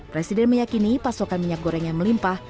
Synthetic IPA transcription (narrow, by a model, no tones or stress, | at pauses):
pɾɛsidɛnməjakinipasokanmiɲak̚ɡoɾɛŋjaŋməlimpah